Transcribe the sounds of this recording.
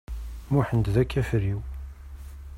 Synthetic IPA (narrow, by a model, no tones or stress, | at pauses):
muħənd̪ðækːæfəɾiw